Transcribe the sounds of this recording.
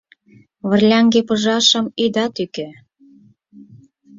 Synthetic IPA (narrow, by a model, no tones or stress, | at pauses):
βə̆rlʲæŋɡepɤ̆ʒɑʃɤ̆mid̪ɑt̪ykĕ